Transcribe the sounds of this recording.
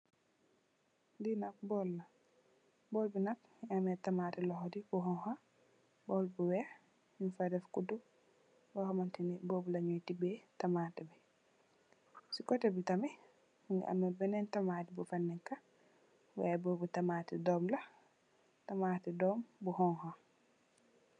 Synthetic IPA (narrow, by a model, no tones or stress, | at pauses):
dinak̚bɔlːa | bɔlbinak̚ | amɛtamatɛlɔɦɔdibuɦɔŋha | bɔlbuwɛ | infadɛfkudu | wɔhɔmantiibobulaɲojtibɛtamatɛbɛ | sikɔtɛbitamɛ | ŋɡ̰ʔa̰mɛbɛnɛntamaːtibufanːɛkːa | wa̰bobutamatɛdɔmla | tamaːtidɔmbuhɔŋha